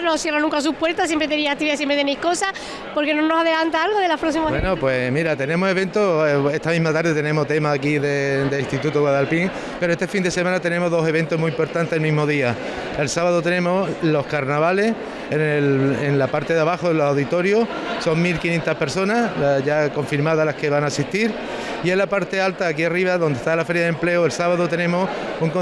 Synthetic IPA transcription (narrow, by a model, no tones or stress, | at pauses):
nosθjeranũŋkas̬upwe̞ɾt̪as̬jempɾet̪eɾiak̚t̪iβiðas̬empɾet̪enejhkosa | poɾkenõnosaðelant̪aalɣoðelapɾos̬imawenopwe̞miɾat̪e̞nẽ̞mose̞β̞e̞nt̪oe̞ht̪amĩɦmat̪aɾðet̪e̞nemo̞ht̪e̞maakiðed̪elist̪it̪ut̪uɣwaðalpiŋ | pe̞ɾoest̪efind̪e̞semãnat̪e̞nemoɦðo̞se̞β̞e̞nt̪omuimpo̞ɾt̪ant̪eelmĩɦmoðia | e̞lsaβaðot̪̬enẽ̞mo̞slo̞hkaɾnaβale̞s | enelenlapaɾt̪e̞ðaβaxoelosawðit̪o̞ɾjosso̞ŋmilkinje̞nt̪ahpe̞ɾso̞nasʝako̞ɱfiɾmaðalahke̞βaŋaːsiht̪iɾ | ie̞lːapaɾt̪e̞alt̪aːk̬iariβaðo̞nd̪eht̪alafe̞ɾjaðemple̞oelsaβaðot̪e̞nẽ̞mo̞suŋko